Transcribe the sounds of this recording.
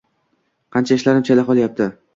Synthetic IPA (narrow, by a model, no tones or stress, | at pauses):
qʰɑnt͡ʃʰaɪʃlaɾɪmt͡ʃʰalɪqɒlˠajap̚t̪ʰɪ